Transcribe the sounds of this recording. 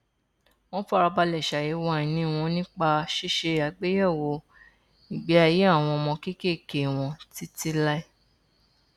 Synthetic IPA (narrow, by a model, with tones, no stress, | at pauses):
w̃ɔ̃˦fa˦˧ɾa˧ba˧lɛ˦˨ʃa˨je˨˦wa˦˨ĩ˨nĩ˦w̃ɔ̃˧nĩ˦k͡pa˧ʃe˦ʃe˧a˨ɡ͡be˦jɛ˦˨wo˧˦ | ĩ˨ɡ͡be˨˦a˧je˨˦a˦˨w̃ɔ̃˧mɔ̃˧ki˦ke˦˨ke˨w̃ɔ̃˧ti˦ti˦la˦i˦